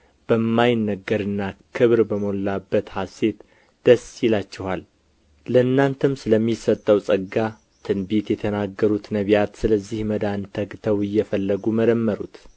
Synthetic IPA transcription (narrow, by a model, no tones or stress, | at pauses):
b̥əmːajɪnːəɡəɾɨnːakʰɨβɾbəmolːabːət̪hase̞t̪ | d̪̥əsjɪlat͡ʃːɛhal | ləɨnːant̪ʰɨmsɨləmːisət̪ʼːəwsʼəɡa | t̪ʰɨnbet̪jɛt̪ʰənaɡːəɾut̪nəβjat̪sɨləzːihməd̪ant̪ʰəɡt̪ʰəwɨjːɛfəlːəɡuməd̪əmːəɾut̪